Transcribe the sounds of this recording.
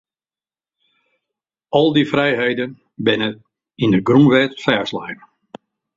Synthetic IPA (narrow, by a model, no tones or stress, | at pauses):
ɔlˠdifrɛjɦejdən | bɪnə | indəɡrumʋɛtfɛːɹslajn